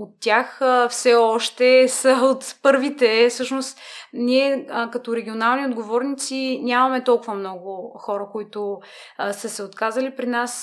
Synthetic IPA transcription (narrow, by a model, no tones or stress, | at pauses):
ot̪ːʲjaxfsɛɔʃt̪ɛsəot̪pɤɾvit̪ɛfsɤʃnost̪nʲiɛkɐt̪ɔɾɛɡʲionalˠniod̪ɡovɔɾnit̪sinʲamɐmɛt̪ɔlˠkʊvəmnɔɡʊxɔɾəkoit̪ʊ | səsɛot̪kazəlipɾinas